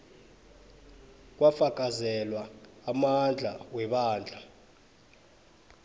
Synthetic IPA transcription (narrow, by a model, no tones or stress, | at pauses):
k̬ʼwafak̬ʼazɛlwaːmand͡ɮʱa̰wɛɓaːnd͡ɮʱa